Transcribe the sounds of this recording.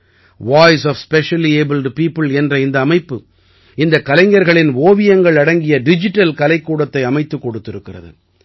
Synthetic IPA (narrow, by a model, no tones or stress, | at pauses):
ʋaːɪsɔːfspɛʂɐlieːbɪlɖpiːpɯlɛndrɐɪnd̪ɐːmɐɪpːɯ | ɪnd̪ɐkːɐlɐɪŋɡɐɾɣɐɭɪnʋoːʋɪjɐŋɡɐɭɐɽɐŋɡɪjɐɖɪd͡ʒɪʈːɐlkɐlɐɪkːuːɽɐt̪ːɐɪɐmɐɪt̪ːɯkːɔɽɯt̪ːɪɾɯkːɪrɐ̰ðɯ̰